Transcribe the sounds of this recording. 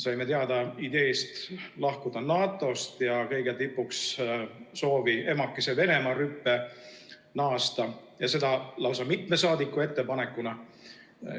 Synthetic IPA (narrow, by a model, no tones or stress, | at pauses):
sɑjme̞t̪eɑd̪̥ɑid̪̥e̞ːst̪lɑhkud̪̥ɑnɑːt̪ːˑo̞st̪jɑkɤjɡ̥et̪ipːˑuks | so̞ːvie̞mɑkːese̞ve̞ne̞mɑɾypːe̞ | nɑːst̪ɑjɑse̞d̪ɑlɑwsɑmit̪me̞sɑːd̪ikːˑue̞t̪ːe̞pɑne̞kːˑunɑ